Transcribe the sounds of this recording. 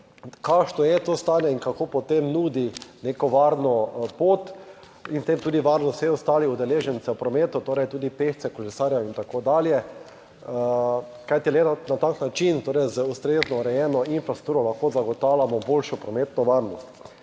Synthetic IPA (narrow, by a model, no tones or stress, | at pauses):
kaʃnɔjɛt̪ost̪aːnjɛiŋkakoːpɔt̪emnuːd̪inekɔʋaɾnɔpoːt̪ | int̪emt̪uːd̪iʋaɾnɔst̪sɛɔst̪aːliud̪ɛleːʒɛnsɛwpɾɔmeːt̪ut̪oːɾɛjt̪uːd̪ipeʃt̪sɛkolɛsaːɾjaint̪akod̪aːljɛ | kajt̪ilɛt̪anat̪aknat͡ʃint̪oːɾɛjzəust̪ɾeːznɔɾɛjɛːnɔinfɾast̪uːɾɔlaxkoːzaɡɔt̪awlʲjamɔbolʃɔpɾɔmeːt̪nɔʋaɾnɔst̪